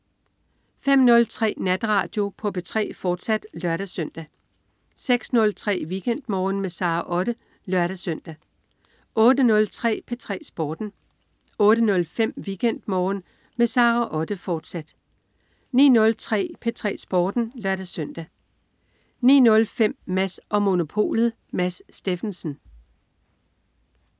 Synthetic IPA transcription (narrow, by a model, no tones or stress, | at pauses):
fem̰nɔ̽lt͡sʰʁɛ̰ːnæd̥ʁɑ̈d̥jo̝pʰɒ̽b̥e̝t͡sʰʁɛ̰ːfɒːd̥sæd̥lɶɐɾæsøn̰d̥æ | seɡ̥snɔ̽lt͡sʰʁɛ̰ːʋiːɡ̥en̰d̥mɒːnmesɑ̈ːʔɒ̽ɾ̥ə | lɶɐɾæsøn̰d̥æ | ʔɔ̽ːdənɔ̽lt͡sʰʁɛ̰ːpʰe̝t͡sʰʁɛ̰ːsb̥ɒːd̥n̩ | ɔ̽ːɾ̥ənɔ̽lfem̰ʋiːɡ̥en̰d̥mɒːn | mesɑ̈ːʁɑʔɒ̽d̥əfɒːd̥sæd̥ | nḭːnɔ̽lt͡sʰʁɛ̰ːpʰet͡sʰʁɛ̰ːsb̥ɒːd̥n̩lɶɐɾ̥æsøn̰d̥æ | nḭːnɔ̽lfem̰mæsɒ̽mo̝no̝pʰo̝̰ːlð̩ˠ | mæsːd̥e̝fn̩sn̩